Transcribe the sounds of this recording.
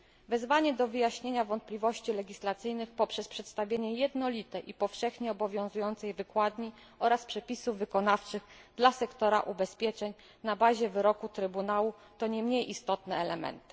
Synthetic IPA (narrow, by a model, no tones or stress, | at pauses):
vɛzvaɲɛd̪ɔvɘjaɕɲeɲavɔnt̪̚plʲivɔɕt͡ɕilɛɡʲislat̪sɘjnɘxpɔpʂɛspʂɛt̪st̪avʲjeɲɛjɛd̪nɔlʲit̪ɛʔipɔfʂɛxɲɛɔbɔvʲjɔ̃w̃zujɔnt̪sɛjvɘkwad̪ɲi | ɔɾaspʂɛpʲisuvːɘkɔnaft͡ʂɘɣd̪lasɛkt̪ɔɾa̰ʔubɛspʲjɛt͡ʂɛɲ | nabaʑɛvɘɾɔkut̪ɾɘbunawu | t̪ɔɲɛmɲejʔist̪ɔt̪nɛːlɛmɛ̰nt̪ɘ̥